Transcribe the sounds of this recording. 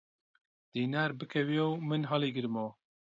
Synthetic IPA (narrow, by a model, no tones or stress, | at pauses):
d̪̥iːnaːɾbɨkʰɛwijowmɨnɦɑːliːɡɨɾmoː